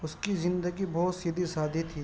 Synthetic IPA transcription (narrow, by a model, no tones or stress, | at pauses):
ʊskizɪ̃nd̪əɡibɔːt̪sid̪ʱisaːd̪ʱit̪ʰiː